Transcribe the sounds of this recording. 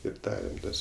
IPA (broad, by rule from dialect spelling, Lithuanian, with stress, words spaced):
ɪr ˈdɑːrʲɛm ˈtɐs